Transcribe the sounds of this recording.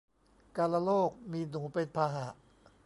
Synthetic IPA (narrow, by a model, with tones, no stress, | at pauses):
kaː˧la˧loː˥˩k̚miː˧nuː˩˦pe˧npʰaː˧ɦa˩˦ʔ